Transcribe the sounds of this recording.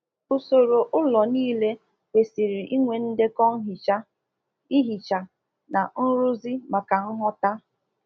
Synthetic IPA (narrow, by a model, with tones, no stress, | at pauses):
o˨so˨ɾo˨ʔʊ˦lɔ˨niː˦le˦ | be˨si˨ɾi˨ʔi˦ŋʷe˨n̩˦de˦kɔ˦ŋ̩˦ɦi˨t͡ʃa˦ | i˦ɦi˨t͡ʃa˨ | na˨n̩˦ɾu˦zi˦ma˨ka˨n̩˦ɦɔ˦ta˦